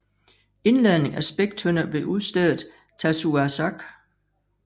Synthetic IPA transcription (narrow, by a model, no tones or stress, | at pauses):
e̝nlæðˠne̝ŋæsb̥eɡ̥̚d̥ʰønɐb̥e̝ʔuðˠsd̥eðˠð̩ˠ | t͡sʰæsuæsɑɡ̥